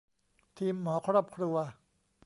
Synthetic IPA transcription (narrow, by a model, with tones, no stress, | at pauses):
t̪ʰiː˧mːɔː˩˦kʰɾɔː˥˩˨p̚kʰɾu˧ɐ